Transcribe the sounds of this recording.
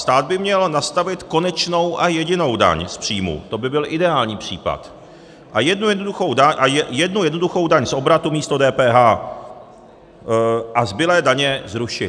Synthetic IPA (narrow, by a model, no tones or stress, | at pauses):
st̪aːd̪̚bɪmɲɛlnast̪avɪt̪ko̞nɛt͡ʃno̞wʔajɛɟɪno̞wda̰ɲspr̝̥iːmṵt̪o̞bɪbɪlʔɪdɛaːlɲiːpr̝̥iːpa̰t̪ | ʔajɛdnujɛdnoduxo̞wdaɲʔajɛdnujɛdnoduxo̞wdaɲso̞bɾat̪umiːst̪odɛːpɛːɦaː | ʔazbɪlɛːdaɲɛzɾuʃɪ